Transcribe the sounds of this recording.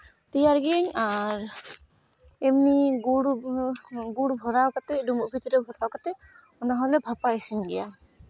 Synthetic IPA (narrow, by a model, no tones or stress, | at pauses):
t̪ijaɾɡɛɲaɾ | emniɡuɽ | ɡuɽbʱɔɾawkat̪ɛɖumuʔbʱit̪ɾɛbʱɔɾawkat̪ɛ | ɔnaɦɔlɛbʱapajsinɡɛ̰ja